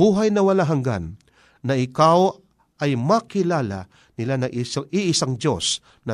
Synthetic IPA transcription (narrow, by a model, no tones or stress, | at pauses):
uːɦajnɐwɐlaɦɐŋɡa̰nː | ɐɪkaw | ɐjmakɪlaːla̰ | nɪlanɐʔɪsaʔɪʔɪsaŋd͡ʒos | nɐ